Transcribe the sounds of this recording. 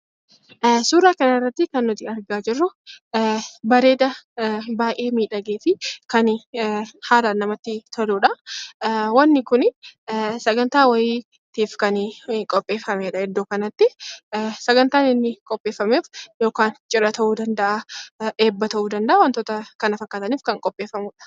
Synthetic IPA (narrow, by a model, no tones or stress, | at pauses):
suːɾaːkɐnɐɪrːɐt̪ːɪkɐnːʊt̪ɪɐɾɡaːd͡ʒɪrːʊ | bɐɾe̞ːd̪ɐbaːjʔe̞ːmiːᶑɐɡeːfɪkɐn | haːɾaːnːɐmɐt̪ːɪt̪ʰɐluːᶑɐ | wɐnːɪkʊn | sɐɡɐnt̪aːwɐjiː | t̪iːfkɐnkʼɔpʼːe̞ːfːɐmeːᶑɐhɛd̪ːoːkɐnɐt̪ːɪ | sɐɡɐnt̪aːnɪnːɪkʼɔpʼːeːfːɐmeːfjoːkaːnt͡ʃʼɪɾɐt̪ɐʔuːd̪ɐnd̪ɐʔaːʔe̞ːbːɐt̪ɐʔuːd̪ɐnd̪ɐʔaːwɐnt̪oːt̪ɐkɐnɐfɐkːaːt̪ɐniːfkɐŋkʼɔpʼːe̞ːfːɐmʊːᶑɐ̥